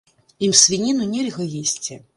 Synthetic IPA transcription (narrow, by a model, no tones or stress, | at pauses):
imsʲvʲinʲinʊnʲiɾʲɣɔjisʲt͡sʲi